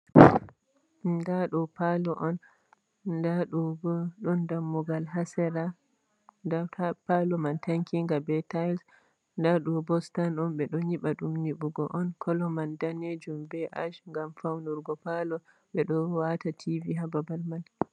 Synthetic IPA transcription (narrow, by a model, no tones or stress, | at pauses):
ndaɗɔpalɔʔɔn | daɗɔɔɗɔndamːuɡalɦasɛɾa | ndapalɔmantaŋkʰiŋɡabɛtajls | ndaɗɔbɔstanɔmɓɛɗɔɲiɓaɗumniɓuɡɔʔɔnkʰɔlɔmandaned͡ʒumbɛʔaʃŋɡamfawnuɾɡɔpalɔ | ɓɛɗɔwatatʰiviɦababalmal